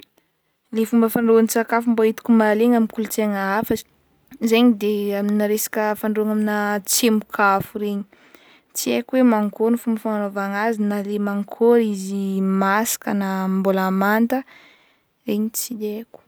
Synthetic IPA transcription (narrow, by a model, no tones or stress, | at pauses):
lefumbəfaɳɖ͡ʐoansakafumboit̪u̥kumaleŋamikulut͡seŋaafə | zeɲid̪eamninaɾesḁkʲəfaɳɖ͡ʐoaŋaminət͡semukʰafuɾeɲi̥ | t͡siekuwemaŋkoɾnifumbəfaŋanovaŋazinalemaŋkʰoɾizimasḁkənambolamant̪ə | ɾeɲit͡sid̪eku̥